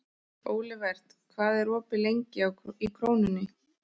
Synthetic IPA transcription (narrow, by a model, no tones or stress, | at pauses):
oːwlɪvɛr̥t̪ | kʰvaːðɛɾɔːpɪlejɲcɪaikʰɾoːwnʏnːɪ